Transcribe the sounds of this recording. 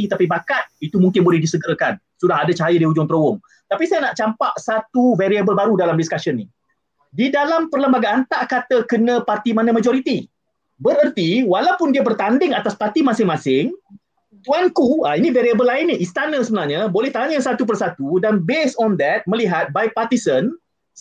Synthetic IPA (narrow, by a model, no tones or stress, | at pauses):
it̪apibakat̪̚it̪umuŋkɪnbolɛhdisəɡəɾəkan | sudahɦadat͡ʃaɦajədiud͡ʒʊŋt̪ɾowʊŋ | t̪apisajanaʔt͡ʃampaʔsat̪uveɾiabəlbaɾudalamdiskaʃənːi | didalampərləmbaɡaʔːnt̪aʔkat̪əkənə̃part̪imanãmad͡ʒoɾit̪i | bəɾərt̪iwalawpʊndiabərt̪andɪŋat̪aspart̪imãsɪŋmãsɪŋ | t̪uankuainĩveɾiabəlːaɪnːiist̪anə̃səbənahɲabolɛht̪aɲəsat̪up̬ərsat̪udanbesɔnd̪ɛt̪̚mə̃liɦat̪̚bajpart̪isən